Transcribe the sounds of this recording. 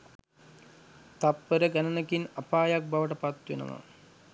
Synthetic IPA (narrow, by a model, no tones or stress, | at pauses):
t̪ɐpːɐɾɐɡɐnɐnɐkinɐpaːjak̚bɐʋɐʈɐpɐt̪ːʋḛnɐ̰nɐ̰